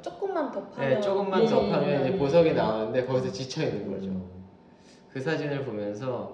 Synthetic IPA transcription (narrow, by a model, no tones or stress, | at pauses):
t͡ɕ͈ok̚k͈ɯmːantʌpʰaje̞t͡ɕ͈oɡɯmːantʌpʰamjʌnd͡ʑepos̬ʰʌɡinaanɯnde̞kʌɡisʰʌt͡ɕit͡ɕʰʌinːɯnɡʌ̰d͡ʑo | kɯsʰad͡ʑinɯɭpomjʌnsʰʌ